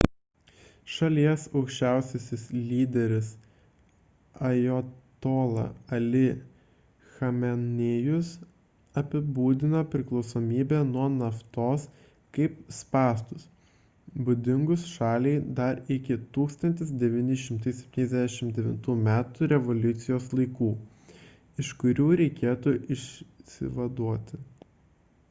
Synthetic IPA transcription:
ʃɐlʲiɛsɒʊkʃʲt͡ʃʲæˑʊsʲosʲɪslʲiːd̪ʲɛɾʲɪs | ɐjot̪oːlˠɐ̰ɐlʲɪ | xɐmʲɛnʲeːjʊs | ɐpʲɪbuːd̪ʲɪnopʲɾʲɪklˠɒʊsoːmʲiːbʲɛnuɔnɐft̪oːs | kɐɪpspɑːst̪ʊs | bʊd̪ʲɪŋɡʊsʃɑːlʲɛɪd̪ɐɾɪkʲɪt̪uːkst̪ɐnʲt̪ʲɪsd̪ʲɛʋʲiːnʲɪʃ̬ʲɪmt̪ɐɪsʲɛp̚ʲt̪ʲiːnɛzd̪ʲææʃʲɪmd̪ʲɛʋʲɪ̰nt̪uːmʲæːt̪uːɾʲɛʋɔlʲʊt̪sʲɪjoːslˠɐɪkuː | ɪʃkʊɾʲuːɾʲɛɪkʲeːt̪uːʔɪʃsʲɪ̰ʋɐd̪uɔt̪ʲɪ

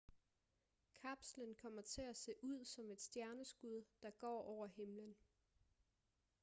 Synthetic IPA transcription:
kʰɑb̥slənkʰɒ̽m̰ɐt͡sʰe̝æse̝̰ːʔuð̰ˠsɒ̽me̝d̥sd̥jæɐnəsɡ̥uð̞ˠd̥ɑ̈ɡ̥ɒ̰ːɒʊ̰ɐɦe̝mlən

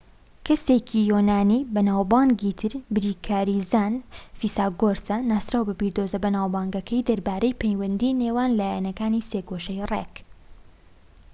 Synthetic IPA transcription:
kʰɐseːcʰijoːnaːniːbɐnaːwbɑːŋɡiːt̪ʰɨɾbɾiːkʰaːɾizaːnfisaːɡoɾsɐnaːst̪ɾaːwbɐbiɾd̪oːzɐbɐnaːwbɑːŋɡɐkʰɐjd̪ɐɾbaːɾejpʰejwɐnd̪iːneːwaːnlaːjanɐkaːniseːɡoːʃɐjrḛk

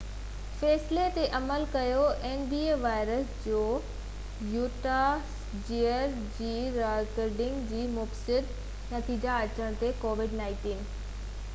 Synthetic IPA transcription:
fɛːslet̪eʔɐməlkɐjoʔeːnbiːeːʋaːɪɾəsd͡ʑoː | juːʈa | d͡ʑiːəɾ | d͡ʑiːɾakəɾɖɪ̃ŋɡd͡ʑiːmʊfsɪd̪ | nɐt̪iːd͡ʑaɐt͡ɕəɽ̃t̪ekoːʋɪɖnaːɪ̃ʈiːn

